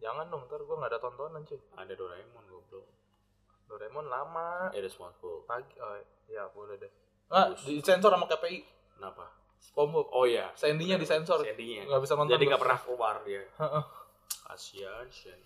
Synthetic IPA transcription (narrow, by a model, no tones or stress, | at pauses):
d͡ʒaŋandʊŋt̪ərɡuaŋɡaːdat̪ɔnt̪ɔnaɲt͡ʃʊa̰dadoɾaemɔnɡɛblɔ | doɾemɔnlamaadɛspɔnsbɔlpaɡio | jabolɛdɛ | ŋadiisɛnsɔɾamakepei | kənapa | skɔmbɔʔɔja̰sandiɲadisɛnsɔrɛdiɲaŋɡabisat̪ɔnd͡ʒ̪andiɡapərnaobariaəʔə | a̰siansian